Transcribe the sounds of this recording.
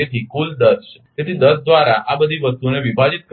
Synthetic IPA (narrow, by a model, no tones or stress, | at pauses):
et̪ʰikuld̪əs | t̪et̪ʰid̪əsd̪ʋaɾaʔabəd̪ʱiʋəst̪uneʋibʱad͡ʒit̪̚k